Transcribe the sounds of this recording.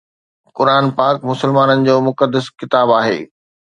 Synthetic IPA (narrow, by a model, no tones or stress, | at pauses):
kʊɾaːnpaːkmʊsəlmaːnənɪ̆d͡ʑoːmʊkəd̪ːəskɪt̪aːbaːɦḛː